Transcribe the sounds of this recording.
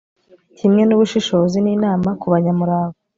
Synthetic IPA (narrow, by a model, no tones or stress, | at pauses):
cimŋe̞nuβuʃiʃo̞ːziniːnaːmakuβaɲamuɾaːɡo